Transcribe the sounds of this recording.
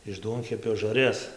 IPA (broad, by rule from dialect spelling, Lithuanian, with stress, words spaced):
ɪʃ ˈduɔŋʲkʲɛpʲoː ʒɐrʲˈjɛs